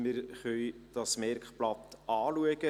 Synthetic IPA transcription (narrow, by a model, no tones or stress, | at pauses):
mɪːɾχœʏd̥ɑsmɛrkχplɑt̪ʔɑːluəɡə